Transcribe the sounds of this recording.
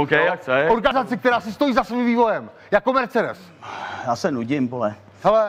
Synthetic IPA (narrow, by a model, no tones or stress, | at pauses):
okɛjakɛoɾɡanɪzat͡sɪk̚t̪ɛɾaːsɪst̪o̞jiːzasvimviːvo̞jɛm | jakːomɛɾt͡sɛdɛs | jaːsɛnuɟɪmbolɛ | ɦɛlɛ